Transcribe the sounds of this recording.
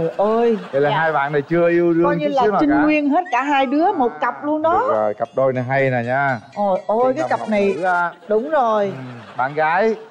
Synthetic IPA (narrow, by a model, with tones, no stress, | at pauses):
ʔəː˧jə˧˨˦laː˨˩ɦaː˧jɓa̰ː˧˨na˨˩jt͡ɕɨ˧əʔi˧əwɗɨ˧ɔ˧ə˧ŋɲi˧˦laː˨˧˦ma˨t͡ɕi˧ŋ˧ŋwi˧ənɦe˦˥t̚kaː˧˩ɦaː˧jɗɨ˨˦əmo˨˩t̚kə˨˩p̚lu˧ənɗɔ˨˦ɔ˨˩jkp̚ɗo˧jna˨˩jɦa˧jna˨˩ɲaː˧ʔo˨˩jʔə˧jkaː˨˦˩jka˨˩p̚na˨˩ja˧ɗʊ˨˦wŋ͡mzo˨˩jɓa̰ː˧˨nɣaː˨˦j